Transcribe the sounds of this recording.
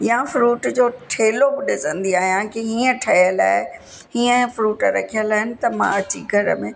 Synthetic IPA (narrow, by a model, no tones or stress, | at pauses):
jãfɾuːʈd͡ʑoːʈʰeːlobɪɗɪsə̃nd̪iaːɦijãkiɦiːə̃ʈʰɐijəla̰ːe | ɦiːə̃fɾuːʈɾɐ̰kʰijəlaːɦɪnɪ̆t̪ɐmã̰ɐt͡ɕiɡʱɐɾə̰mẽː